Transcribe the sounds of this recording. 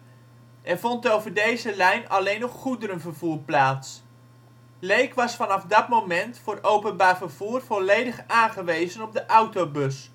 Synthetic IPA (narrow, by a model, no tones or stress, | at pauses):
ʔɛrv̥ɔntowvəɹdejzəlɛjnɑ̰lejnɔχχudəɾənvəɹvuːɹplaːts | lejkʋɑsfɑnɑfdɑtmowmɛntfʊːrowpənbaːɹvəɹv̥uːrv̥ɔlejdəχaːnχəʋejzənɔb̚dəʔʌwtowbɵs